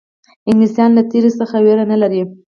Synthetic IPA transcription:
ɪŋɡlisɑnlat̪eɾesəxaweɾanalaɾi

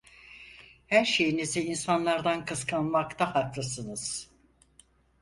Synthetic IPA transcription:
hæɾʃe̞jiniziinsanlˠaɾd̪ankɯskʰanmakt̪ahaklˠɯsɯnɯz̥

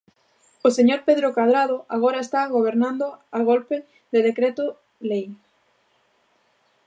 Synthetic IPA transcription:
oseɲoɾpeðɾokað̞ɾað̞oʔaɣ̞oɾaest̪aɣoβ̞eɾnãnd̪oaɣolpe | ðeðekɾet̪ʊ | lej

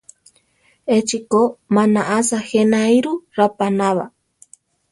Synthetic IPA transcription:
et͡ʃikomanaʔasahenajɾuɾapanaβa̰

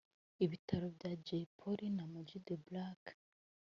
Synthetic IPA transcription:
iβitʰaɾobɟad͡ʒepʰoɾinamod͡ʒideblak

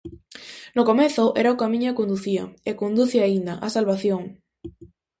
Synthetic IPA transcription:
nokomeθʊʔḛɾaokamĩɲʊakond̪uθia̰ekond̪uθeaind̪aʔasalβaθjoŋ

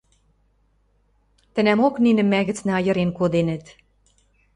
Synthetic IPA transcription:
t̪ə̆næmokninɘ̆mːæɣɘ̆t͡snæɑjɤ̆ɾenkod̪enə̆t̪

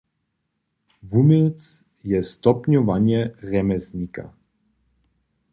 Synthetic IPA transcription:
vumɪlt͡s | jɛst̪ɔpɲɔvaɲɛrɛmɛzɲika̰

